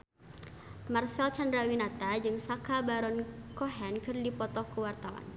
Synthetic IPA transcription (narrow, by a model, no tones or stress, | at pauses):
marsɛlt͡ʃandɾawinat̪ad͡ʒɨŋsakabaɾɔnkɔɦɛnkɨrdipɔt̪ɔkəwart̪awa̰n